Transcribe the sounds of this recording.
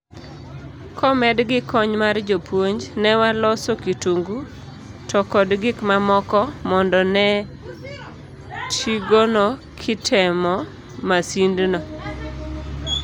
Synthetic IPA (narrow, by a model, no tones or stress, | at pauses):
kʰɔmɛdɡɪkʰːɔɲmard͡ʒopwoɲd͡ʒnɛwalɔsokituŋɡu | tɔkɔdɡɪkmamɔkɔmɔndɔnɛ | tiɡono | kʰɪtʰɛmɔ | masindnɔ